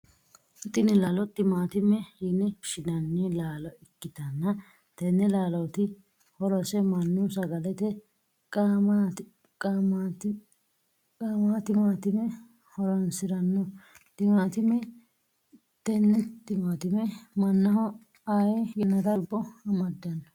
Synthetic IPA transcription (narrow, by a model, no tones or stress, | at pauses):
t̪ːɪnɪlaːlɔt̪ːɪmaːt̪ɪmːɛhinɛʃɪnɐnːilaːlɔɪkːɪt̪ɐnːɐ | t̪ɛnːɛlaːlɔwt̪ɪ | hɔɾɔsɛmɐnːʊsɐɡɐlɛt̪ɛ | kʼama | amːt̪ | kʼaːmat̪ɪmaːt̪ɪmɛ | hɔɾɐnsɪɾɐnːɔ | t̪ɪmaːt̪ɪmɛ | t̪ɛnːɛt̪ɪmaːt̪ɪmɛmɐnːɐhɔ | ajɛjɛnːɐd̪ɐbːɔhɐmɐd̪ːɐnːɔ